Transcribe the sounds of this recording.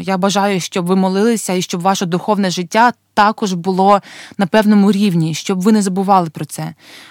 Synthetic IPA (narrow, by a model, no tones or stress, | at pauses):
jabɐʒɑjʊʃt͡ʃɔbʋɪmɔlˠɪlˠɪsʲɐiʃt͡ʃɔbʋɑʃɐd̪ʊxɔwnɛʒɪtʲːat̪ɑkɔʒbʊlˠɔnɐpɛwnɔmʊɾʲiwnʲiʃt͡ʃɔbʋɪnɛzɐbʊʋɑlˠɪpɾɔt̪sɛ